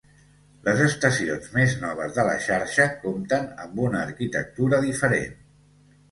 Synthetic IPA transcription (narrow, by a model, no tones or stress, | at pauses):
lʔəzəst̪əsionzmeznɔβ̞əzðələ̰ʃaɾʃəkomt̪ənə̰mbunəːɾkit̪ə̰k̚t̪uɾəðifəɾḛn